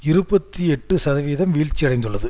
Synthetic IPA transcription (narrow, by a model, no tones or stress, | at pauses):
ɪɾɯbɐt̪ːiɛʈːɯsɐðɐʋiːðɐmʋiːɻt͡ʃːijɐɽɐɪnd̪ɯɭːɐðɯ